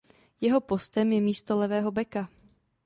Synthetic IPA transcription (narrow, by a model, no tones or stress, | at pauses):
jɛɦo̞po̞st̪ɛmjɛmiːst̪olɛvɛːɦo̞bɛka